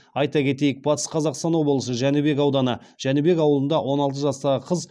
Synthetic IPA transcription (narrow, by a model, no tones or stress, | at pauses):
ɑjt̪ɑkʲʰe̞t̪e̞jɪk̚bɑt̪ə̥sqʰɑzɑqst̪ɑnobəlˠəsəʒænube̞kɑwd̪ɑnə | ʒ̥ænube̞kɑwəlˠənd̪ɑwʔo̞nɑlˠt̪əʒɑst̪ɑʁəqʰəz